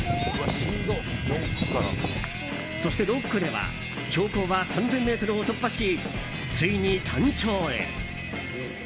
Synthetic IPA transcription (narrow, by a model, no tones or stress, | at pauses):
ɯβaɕiɡ̪oɾokːɯ̥kaɾ̰ | so̞ɕi̥t̪e̞ɾo̞kːɯ̟d̪e̞βa̰ | ko̞ːko̞ːβasãnd͡zẽ̞mːe̞ːt̪o̞ɾɯ̟ot̪o̞pːaɕi | t͡sɨiɲ̟isãɲ̟t͡ɕo̞ːḛ